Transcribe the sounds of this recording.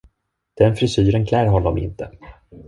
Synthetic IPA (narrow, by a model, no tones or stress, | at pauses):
d̪̥ɛnfɾɪsyːɾənkʰlæːɾɦɔld̪ɔmɪ̰nt̪ə